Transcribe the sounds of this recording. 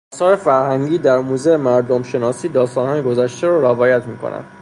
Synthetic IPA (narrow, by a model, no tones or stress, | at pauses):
ɒsɒːɾefæɾhæŋɟiːd̪æɾmuːzeemæɾd̪omʃe̞nɒːsiːd̪ɒːst̪ɒːnhɒːjeɡozæʃt̪eɾɔːɾævɒːjæt̪ʰmiːkʰo̰næ̰nd̪